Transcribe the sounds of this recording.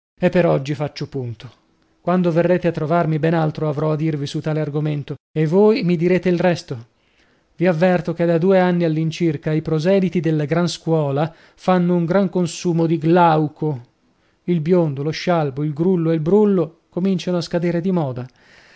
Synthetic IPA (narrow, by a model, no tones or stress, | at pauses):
epːeɾɔd͡ʒːifat͡ʃːopunt̪o | kwand̪overːeːt̪eat̪ːɾovarmibɛnalt̪ɾoavɾɔad̪ːirvisut̪ːaːlearɡoment̪oevːoːjmid̪iɾeːt̪eilrɛst̪o | viavːɛrt̪ok̟ed̪ad̪uːeanːialːint͡ʃirkaipɾozɛːd̪it̪id̪elːaɡɾanskwɔːla | fanːouŋɡɾaŋkonsuːmod̪iɡlawkʰo | ilbjond̪oloʃːalboilɡɾulːoelbɾulːo | komint͡ʃanoaskad̪eːɾed̪imɔːd̪a